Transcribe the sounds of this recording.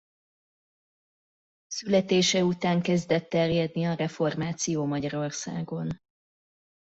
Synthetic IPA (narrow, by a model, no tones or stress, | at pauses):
sylɛt̪eːʃɛut̪aːŋkɛzd̪ɛt̪ːɛrjɛd̪niɒɾɛfo̞rmaːt̪sijoːmɒɟɒɾo̞rsa̰ːɡo̞n